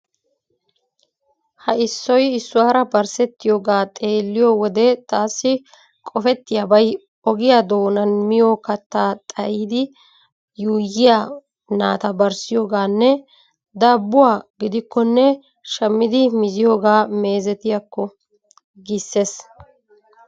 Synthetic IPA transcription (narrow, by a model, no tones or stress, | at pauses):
hɐɪsːɔjɪsːʊwaːɾɐbɐɾsɛt̪ːɪjoːɡaːt̪ʼe̞ːlːɪjoːwɔd̪ɛt̪aːsːɪ | kʼɔfɛt̪ːɪjabɐj | ɔɡɪjaːd̪o̞ːnɐnmɪjoːkɐt̪ːaːt̪ʼɐʔiːd̪ɪ | juːjɪjaː | na̰ːt̪ɐbɐɾsɪjo̞ːɡaːnːɛ | d̪ɐːbːʊwaːɡɪd̪ɪkːɔnːɛ | ʃɐmːɪd̪ɪmɪzɪjo̞ːɡaːme̞ːzɛt̪ɪjɐkːɔ | ɡɪsːe̞ːs